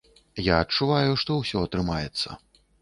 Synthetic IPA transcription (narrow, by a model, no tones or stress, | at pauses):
jaɐt͡ʂːuvajuʂt̪ɔwsʲɔɐt̪ɾɨmajɛt̪sːɐ̰